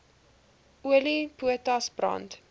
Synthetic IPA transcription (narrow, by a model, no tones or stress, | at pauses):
uəlipuətɐsbrɑ̰nt